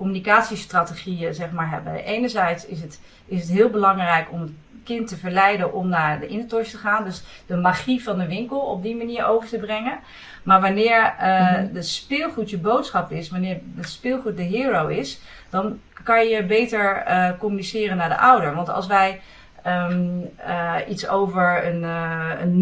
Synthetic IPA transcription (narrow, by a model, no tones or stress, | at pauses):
kɔmynikaːtsistraːteχijəzɛχmaːɹɦɛ̰bəʔejnəɹzɛjtsɪsət | ɪsətɦɪːlˠbəlɑŋrɛjkɔmət | kɪntːəvəɹlɛjdənʔɔmnaːɹdəʔɪnətɔɹʃtəχaːndøsdəmaχivɑndəʋɪŋkəlˠɔ̰b̚dimaniːɹowvəɹtəbrɛŋən | maːɹʋɑnɪːɹdəspɪːlˠχutjəbowtsχɑpɪsʋanɪːɹdətspɪːlˠχut̚dəɦiːɹowɪs | d̥ɑn | kɑnjjəbejtəɹkɔmynisɪːrənaːɹdə̰ʔʌwdəɹʋɑntɑ̰lˠsʋɛj | ə | itsowvəɹənən